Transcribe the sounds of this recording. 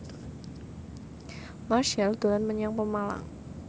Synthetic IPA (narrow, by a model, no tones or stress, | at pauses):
maʃald̪̥o̤lanməɲaŋpəmala̰ŋ